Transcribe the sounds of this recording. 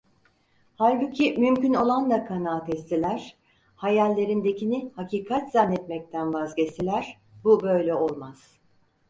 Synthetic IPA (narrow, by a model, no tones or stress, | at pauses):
halʲbucʰimymcyno̞lˠand̪akʰanaːt̪ʰɛst̪ʰilʲæɾ̥ | hajalʲːe̞ɾind̪e̞cʰinihaciːkʰat̪z̥anːɛt̪mɛc̚t̪ʰænvazɟɛst̪ʰilʲæɾ̥ | bubø̞jlʲɛo̞lˠmaz̥